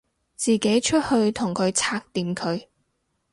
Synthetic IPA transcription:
t͡siː˨˩ke˨˥jt͡ʃʰɵ˥t̚hɵ˧ɥt̪ʰʊ˨˩ŋkʰɵ˨˧ɥt͡sʰaː˥k̚t̪iː˨˧mkʰɵ˨˧ɥ

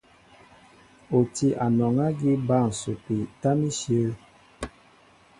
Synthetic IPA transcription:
o˨ti˦ʔa˨nɔ˨ŋa˦ɡi˦ba˦˨n̩˨su˨pi˨ta˦mi˦sə˦˨

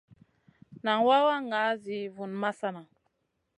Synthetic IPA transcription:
na˨ŋwa˦wa˦ŋa˨˦zi˨vu˨nma˦sa˦na˨

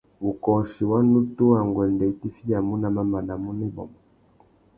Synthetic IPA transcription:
u˨kɔ˨ʃi˨wa˦nu˦tu˦a˨ŋɡwɛ˨ndɛ˨i˨ti˦fi˦ja˨mu˦na˦˨ma˦ma˨na˨mu˦nɛ˦bɔ̰˨mɔ˨

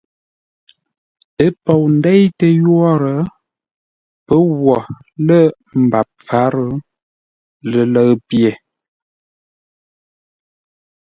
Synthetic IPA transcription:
ə˦pɔ˨wn̩˦dɛ˦jtə˨jwɔ˦ɾə˨˦ | pə˦wɔ˨ | lə˦ | m̩˨ba˨p̚fa˨˦ɾə˨˦ | lə˨lə˨ɣpje˨

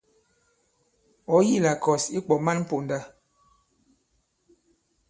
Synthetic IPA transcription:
ɔ˨˦ji˦˨la˨kɔ˨si˦k͡pɔ˨ma˦nm̩˦po˨nda˦

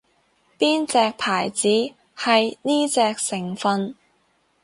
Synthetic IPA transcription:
piː˥nt͡sɛː˧k̚pʰaː˨˩jt͡siː˨˥ | hɐ˨jniː˥t͡sɛː˧k̚sɪ˨˩ŋfɐ˧n

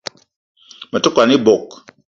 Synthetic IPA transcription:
mə˨tu˦kʷwa˨ni˦bo˨k̚

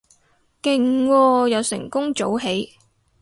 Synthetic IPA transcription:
kɪ˨˩ŋwɔː˧jɐ˨˧wsɪ̰˨˩ŋkʊ˥ŋt͡so˨˥wɦe˨˥j

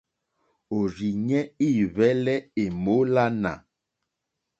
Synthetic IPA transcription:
o˨ɾi˨ɲɛ˦i˦˨βɛ˦lɛ˦e˨mo˨˦la˦na̰˨

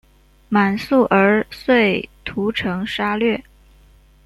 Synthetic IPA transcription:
ma˨˩nsu˥˩ʔə˞˧˥swe˥˩ɪt̪ʰu˧˥ʈ͡ʂʰɤ˧˥ŋʂa˥lɥɛ˥˩

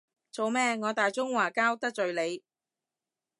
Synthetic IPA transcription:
t͡so˨wmɛː˥ŋɔː˨˧t̪aː˨jt͡sʊ˥ŋwaː˨˩kaː˥wt̪ɐ˥k̚t͡ʃɵ˨ɥle˨˧j

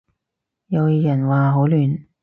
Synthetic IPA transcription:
jɐ˨˧wjɐ˨˩nwaː˨ɦo˨˥wlyː˨n

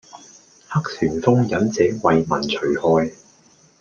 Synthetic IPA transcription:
hɐ˥k̚sʰyː˨˩nfʊ˥ŋjɐ˨˥nt͡sɛː˨˥wɐ˨jmɐ̰˨˩nt͡ʃʰɵ˨˩ɥhɔː˧j

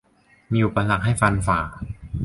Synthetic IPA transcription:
miː˧ʔu˨˩pa˧sa˨˩k̚ha˥˩jfa˧nfaː˨˩

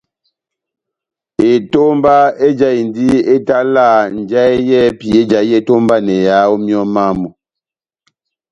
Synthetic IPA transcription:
e˨to˦mba˦e˦d͡ʒa˦˨i˨n˨di˦e˦ta˦laː˦˨n̩˨d͡ʒa˦e˦jɛ˦pi˨e˦d͡ʒa˨˦ɛ˦˨to˦mba˦nɛ˨ja˨˦o˦mjɔ˦ma˦˨mo˨

